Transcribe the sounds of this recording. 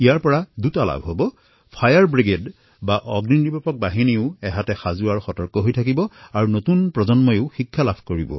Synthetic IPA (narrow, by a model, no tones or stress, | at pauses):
ijaɹpɔɹadutala̰bʱɦobɔ | pʰajaɹbɹiɡed | baʔɔɡnindibɔpɔk̚baɦiniʊɛɦatɛxazuaɹxɔtɔɹkɔɦojtʰak̬ibɔaɹunotunpɹɔzɔnmɔjʊʊxikʰːalabʰʱkoɹibɔ̰